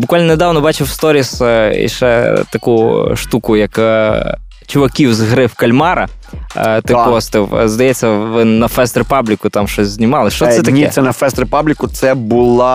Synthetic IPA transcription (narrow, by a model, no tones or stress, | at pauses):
bʊkʋalʲnɐned̪ɑwnɔbɑt͡ʃɪwst̪ɔɾʲisḭʃɛt̪ɐkuʃt̪ukʊjɐk | t͡ʃʊʋɐkʲiwzɦɾɪfkɐlʲmɑɾɐ̰ | t̪ɪkɔst̪ɪwzd̪ɐjɛt͡sʲːɐʋɪnɐfɛst̪ɾɪpɑblʲɪkʊt̪amʃɔsʲzʲnʲɪmɑlˠɪʃt͡ʃɔsɛt̪ɐiɛsʲɛnɐfɛst̪ɾɪpablʲɪkʊt̪sɛbʊlˠa